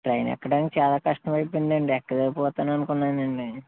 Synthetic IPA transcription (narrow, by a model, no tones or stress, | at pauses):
ʈɾɐjnɛ̰kːɐɽɐnt͡ʃaːlaːkɐʂʈɐmɐjpund̪ɐɳɖiɛkːɐd̪eːpɔːt̪aːnɐnukunːaːnɐɳɖi